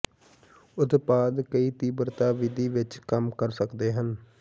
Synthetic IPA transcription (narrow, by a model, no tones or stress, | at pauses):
ʊt̪paːd̪kəiːt̪iːbəɾt̪aːʋɪd̪iːʋɪt͡ʃkəmkəɾsəkd̪eːɦən